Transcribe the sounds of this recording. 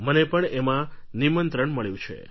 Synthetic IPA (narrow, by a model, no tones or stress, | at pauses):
mənepəɳemãnimənt̪ɾəɳməɭjũt͡ʃʰḛ